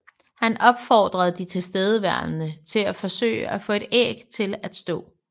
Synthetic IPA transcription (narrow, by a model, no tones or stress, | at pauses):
hænɒ̽b̥fɒːd̥ʁɐðˠd̥it͡sʰe̝lsd̥eð̞ˠəʋæɐ̰nnət͡sʰe̝læfɒ̽sø̰ːɪəæfɔ̰̽ːe̝d̥ḛːɡ̥t͡sʰe̝læd̥sd̥ɔ̰̽ː